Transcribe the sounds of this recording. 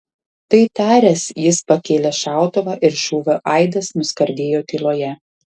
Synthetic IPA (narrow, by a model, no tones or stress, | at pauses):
t̪ɐɪt̪ɑːɾʲɛsjɪspɐkʲeːlʲɛʃɑˑʊt̪oʋɑːʔɪɾʃuːʋʲoʔɐɪd̪ɐsnʊskɐɾʲd̪ʲeːjoːk̪ʲɪlˠoːjɛ